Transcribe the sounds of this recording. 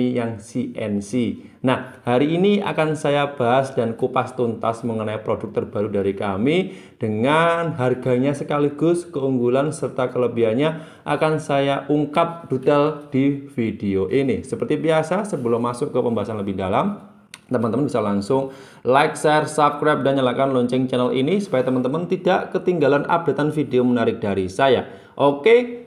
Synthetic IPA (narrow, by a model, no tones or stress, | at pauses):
ijaŋsiʔɛ̰nsi | nahhaɾiːnia̰kansajab̥a̤ɦasd̥ankupast̪unt̪a̰sməŋənaipɾodʊk̚t̪ərb̥a̤ɾudaɾikami | d̥əŋanɦarɡa̤ɲasəkaliɡ̥ʊskəuŋɡulansərt̪akələbiaɲa | ʔakansajaʔuŋkap̚d̥ut̪ɛld̥ifideoʔinisəpərt̪ibiasasəbəlɔmasʊkːəpəmbaɦasanləbɪhdalam | t̪əmant̪əmənbisalaŋsʊŋ | laɪk̚sɛrsap̚kɾap̚danɲəlakanlɔɲt͡ʃɪŋt͡ʃɛnəlḭnisu̥pajat̪əmant̪əmənt̪idaʔkət̪iŋɡalanʔa̰b̚da̤t̪anfideomənaɾɪk̚d̥aɾisaja | ʔoke